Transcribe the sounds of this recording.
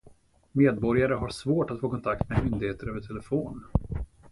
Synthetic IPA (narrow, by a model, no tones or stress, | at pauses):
meːd̪̚bɔɾjaɾəɦaɾʂvoːʈat̪foːkʰɔnt̪ʰak̚t̪memʏnd̪ɪɡheːt̪əɾøːvəʈʰɛlɛfoːn